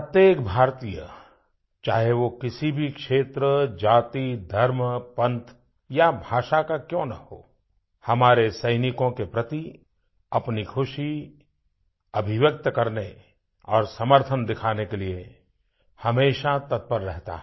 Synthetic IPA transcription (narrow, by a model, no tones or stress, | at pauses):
ət̪jeːkbʱaːɾt̪iːjə̰ | t͡ʃaːɦeʋokɪsibʱikʃeːt̪ɾəd͡ʒaːt̪id̪ʱɐɾmpɐ̃nt̪ʰ | jabʱaːʃakakjõːnɐɦo̰ː | hɐmaːɾesɐɪnɪkõkepɾɐt̪i | ɐpnikʰʊʃi | ɐbʱɪʋjək̚t̪əkɐɾne | ɔːɾsɐməɾt̪ʰənd̪ɪkʰaːnekelie | hɐmeːʃat̪ɐt̪̚pəɾːɛɦt̪a̰ɦɛ